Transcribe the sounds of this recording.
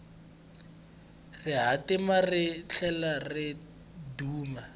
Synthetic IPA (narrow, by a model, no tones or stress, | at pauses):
rɪɦatɪmarɪɬʰɛlarɪ | duːma